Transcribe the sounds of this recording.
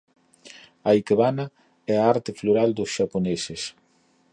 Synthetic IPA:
aikeβana | ɛaaɾt̪ɪfloɾald̪ʊsʃaponesɪs

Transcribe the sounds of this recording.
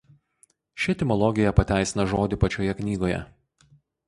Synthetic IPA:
ʃʲɪt̪ʲɪmɔlˠɔɡʲɪjɛpɐt̪ʲæˑɪsʲɪnɐʒoːd̪ʲɪpɐt͡ʃʲoːjɛknʲiːɡoːjɛ̰

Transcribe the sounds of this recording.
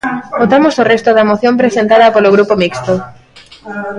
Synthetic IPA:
bot̪amosorest̪oðɐmoθjompɾesẽnt̪aðɐpoloɣɾupomikst̪o

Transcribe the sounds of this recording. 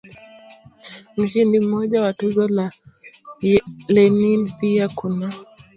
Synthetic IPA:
m̩ʃindim̩ːɔʄawatɔzɔla | lɛniviakunɔ

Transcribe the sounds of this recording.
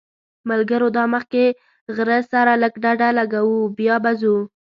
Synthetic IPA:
malɡəɾod̪ɑməxke | ɣɾəsaɾaləkɖaɖalaɡawubjɑbazu

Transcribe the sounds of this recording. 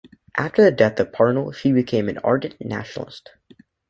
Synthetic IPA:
ʔæftə˞ðɨdɛθ̚ðəpʰɑɹnl̩ˠʃibɨkʰẽɪ̃mɨ̃nɑ̰ɹdⁿn̩næ̰ʃnl̩ˠə̰st

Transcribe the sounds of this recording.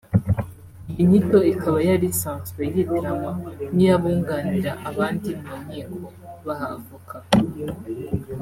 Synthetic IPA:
iɲito̞ikʰaβajaɾisaːnswejiβuɾamanijaβuːŋɡaːniɾaʔaβaːndinnamŋiːkʰoβahavukʰa

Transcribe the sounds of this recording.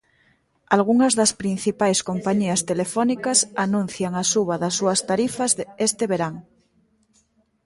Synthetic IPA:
alɣuŋazðaspɾin̟θipajskompaɲiast̪elefonikasanũn̟θjaŋasuβ̞aðasuast̪aɾifazðest̪eβeɾaŋ

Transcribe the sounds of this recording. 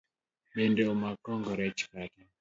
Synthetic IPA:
ɓɛndɛomakɔŋɡɔɾɛt͡ʃkata

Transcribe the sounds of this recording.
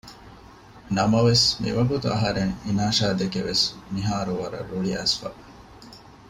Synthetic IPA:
nɐmɐʋesmḭʋɐɡut̪uɐɦɐɾeŋinaːʃaːd̪ekeʋesmiɦaːɾuʋɐɾɐ̰ɾuɭiɐ̰sfɐ̰

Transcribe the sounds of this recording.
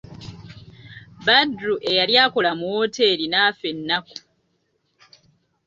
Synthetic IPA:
badɾuʔe̞jaljaːko̞lamuwote̞ɾinaːfe̞nːaku̥

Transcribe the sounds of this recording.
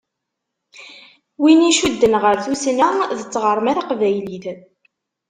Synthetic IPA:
winiʃud̪ːənʁəɾθusnæðət͡sːʁəɾˤəmæɾaqvæjliθ

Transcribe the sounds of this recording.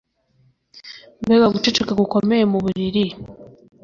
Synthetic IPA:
mbeβaɡut͡ʃet͡ʃekakuko̞mejemuβuβiɾi

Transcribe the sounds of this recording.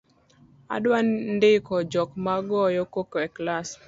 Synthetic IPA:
a̰dwanndɪkɔd͡ʒɔkmaɡɔjɔkokoɛklas

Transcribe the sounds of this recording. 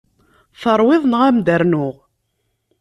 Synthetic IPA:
θəɾˤwɪðˤnʁæmd̪əɾnʊʁ

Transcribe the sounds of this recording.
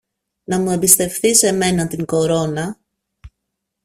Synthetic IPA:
nɐmue̞mbist̪e̞fθise̞me̞nɐt̪iŋɡo̞ɾo̞nɐ

